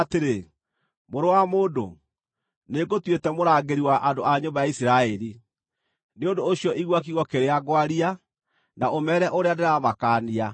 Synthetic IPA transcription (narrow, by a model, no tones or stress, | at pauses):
teɾe | moɾowamoːdo̰ | neɡotwetɛmoɾaːɡeɾiwaʔandoaɲobajaisiɾaɛɾi | neondoːɕiɔʔiɣwak̬iɣɔkeɾeaɡwaɾia | naʔomɛːɾɛʔoɾeadeɾamakaːnia